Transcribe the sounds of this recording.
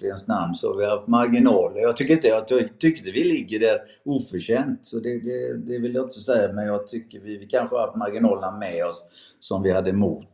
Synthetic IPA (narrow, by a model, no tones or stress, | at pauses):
ɛnsnamnsɔ̰vɪhaft̪maɾɡɪnɑːləɾjɑːɡ̚t̪ʰʏkːəɾɪnt̪əjjɑɡt̪ʰʏk̪ːəvɪlɪɡːəɖæɾ | uːfœʂɛnt̪sɔd̪ɛd̪ɛd̪ɛvɪljɑɪnt̪səsɛjːamɛnjɑːɡt̪ʰʏkːəɾvɪɪkʰanɧəaaft̪maɾɡɪnɑːləmɛɔsː | ɔmvɪhad̪ːəmʊːt̪